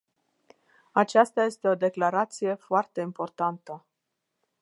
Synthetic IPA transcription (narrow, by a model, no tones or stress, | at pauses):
at͡ʃast̪aje̞st̪e̞o̞d̪e̞klaɾat̪sije̞foart̪e̞impo̞rt̪ant̪ə